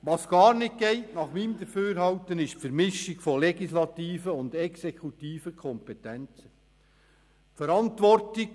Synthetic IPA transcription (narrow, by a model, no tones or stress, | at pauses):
ʋɑːsɡ̥ɑːɾnɪt̚ɡ̥ɛɪtnɑχmiːmd̪əɾføːɾhɑltənɪʃtfəɾmɪʃɪɡ̥fɔlɛɡislɑt̪iːfəʊnd̪ɛksekʰut̪iːfəkʰɔmpɛt̪ɛnt͡sə | fɛɾɑntʋɔrtɪk